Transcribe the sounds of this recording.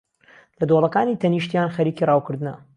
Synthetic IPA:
lɐd̪olˠɐkaːniːt̪ʰɐniʃt̪jaːnxɐɾiːkirɑːwkɨɾd̪ɨnɐ

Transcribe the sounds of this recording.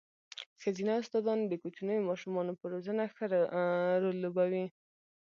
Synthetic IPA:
xazinaʊst̪ɑd̪ɑnd̪əkot͡ʃunəjomɑʃumɑnopəɾozənaxəɾɾolːobawi

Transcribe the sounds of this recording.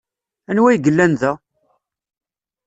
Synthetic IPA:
ænwæjɡəlːænðæ

